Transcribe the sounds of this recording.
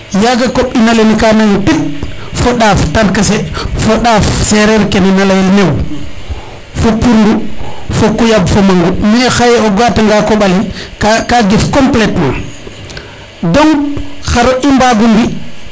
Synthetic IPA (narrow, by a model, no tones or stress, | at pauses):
jaɡakoɓinalenikanaŋpit̚fɔɗaːftankasɛfoɗaːfsɛɾɛɾkɛnɛnalajalnew | fopuɾndufokujabfomaŋɡumiɛxajɛɔɡataŋɡakɔɓalikkaɡifkɔmplɛtma | dɔŋxaɾɔʔimbaɡumbi